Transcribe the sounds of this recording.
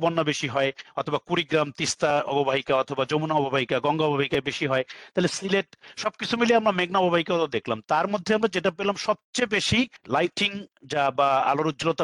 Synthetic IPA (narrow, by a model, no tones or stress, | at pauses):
bonːabeʃiɦɔeɔt̪ʰobakuɾiɡɾamt̪ist̪aɔ̰bobʱaɦikaɔt̪ʰobad͡ʑomunaɔbobʱaɦikaɡɔŋɡaɔbobʱaɦikaebeʃiɦɔet̪aɦelesileʈʃɔb̚kit͡ɕʰumileamɾameɡ̚naɔbobʱaɦikat̪od̪ekʰlamt̪aɾmod̪ʱːeamɾad͡ʑeʈapelamʃɔb̚t͡ɕebeʃilajʈiŋd͡ʑabaa̰loɾuːd͡ʑlot̪a